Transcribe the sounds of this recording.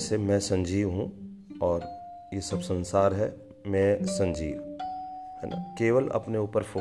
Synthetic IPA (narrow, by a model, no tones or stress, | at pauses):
semɛ̃sɐ̃ɲd͡ʒiːʋɦũ | ɔːɾ | jesɐbsə̃nsaːɾɦɛ | mɛ̃sɐ̃ɲd͡ʒiːʋ | ɦɛ̰na̰keːʋəlɐ̰pneuːpəɾfʰo